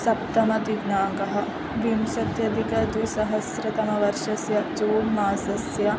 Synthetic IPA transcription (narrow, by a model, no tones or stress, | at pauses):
sɐp̚t̪ɐmɐd̪iʋnaːɡɐɦɐ̆ | ʋimsɐt̪jɐd̪ikɐd̪isɐɦɐsɾɐt̪ɐmɐʋɐɾʃɐsjɐd͡ʒuːmaːsɐsjɐ